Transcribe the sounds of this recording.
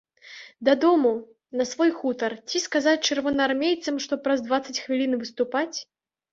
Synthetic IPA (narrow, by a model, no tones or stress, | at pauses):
d̪ɐd̪ɔmu | nɐsvɔjxut̪ɐrt͡sʲiskazat͡sʲt͡ʂɨrvɔnɐarmʲejt̪sɐmʂt̪ɔpɾɐzd̪vat̪sɐt͡sʲxvʲilʲinvɨst̪upat͡sʲ